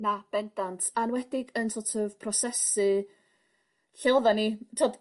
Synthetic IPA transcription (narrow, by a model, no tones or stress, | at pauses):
nab̥ɛndantʰanwɛdɪɡənsɔtʰɔv̥pʰrɔsɛsɨ | ɬɛwðanitʰoːd